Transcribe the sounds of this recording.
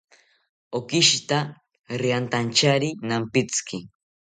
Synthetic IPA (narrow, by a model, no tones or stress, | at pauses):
okɪʃt̪a | ɾɪant̪ant͡ʃaɾinampɪt͡skʰɪ